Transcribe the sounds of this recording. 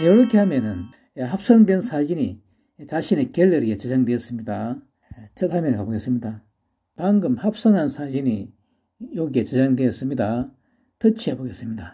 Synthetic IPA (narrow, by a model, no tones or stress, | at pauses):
jʌɾɯkʰehamjʌnɯn | ɦap̚s͈ʌŋdwensʰad͡ʑini | t͡ɕaɕʰine̞keɭːeɾiet͡ɕed͡ʑaŋdweʌs͈ɯmɲida | t͡ɕʰʌt̚ɦamjʌnikaboɡes͈ɯmɲida | paŋɡɯmhap̚s͈ʌŋɦansʰad͡ʑiɲi | joɡiet͡ɕed͡ʑaŋdweʌs͈ɯmɲida | tɯt͡ɕʰiaboɡes͈ɯmɲida